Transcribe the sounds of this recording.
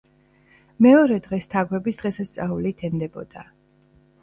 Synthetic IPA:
mɛɔɾɛd̪ʁɛst̪ʰaɡwɛbisd̪̥ʁɛsast̪sʼaulit̪ʰɛnd̪ɛbɔ̰d̪̥a

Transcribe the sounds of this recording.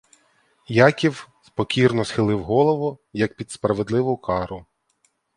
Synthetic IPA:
jɑkʲiwspɔkʲirnɔsxɪlˠɪwɦɔlˠɔʋʊjɐk̚pʲid̪spɾɐʋed̪lˠɪʋʊkɑɾʊ

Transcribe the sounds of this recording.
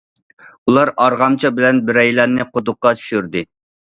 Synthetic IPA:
ulˠɑɾɑɾʁɑmt͡ʃʰɑbɪlɛnbɪɾɛjlɛnɨqʰot̪ʊqːɑt͡ʃ̪ʰy̥ʃyɾd̪ɪ

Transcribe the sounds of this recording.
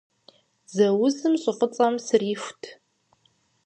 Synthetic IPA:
zɐwʊzɨmɕʼɪfət͡sʼɐmsɨriːxʷtʰ

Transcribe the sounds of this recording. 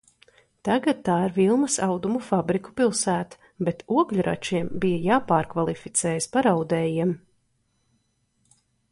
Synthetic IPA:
t̪aɡat̪̚t̪ːaːiɾvilˠmɐsawd̪umufabɾiku̥pilˠsæːt̪ḁ | bet̪uɔɡʎʲuɾʔa̰t͡ʃiɛmbijɐjaːpaːɾkvalˠifit̪sɛːjəspaɾawd̪ɛːjiɛm

